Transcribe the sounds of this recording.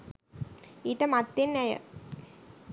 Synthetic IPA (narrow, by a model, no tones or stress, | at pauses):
iːʈəmat̪ːenːæjə̰